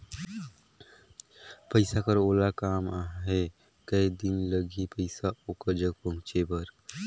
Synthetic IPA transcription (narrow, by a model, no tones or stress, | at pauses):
pəɪsakəɾoːlakaːmaɦe | kəid̪ɪnləɡʱipəɪsaoːkəɾd͡ʒəɡ̚pə̃mt͡ʃebəɾ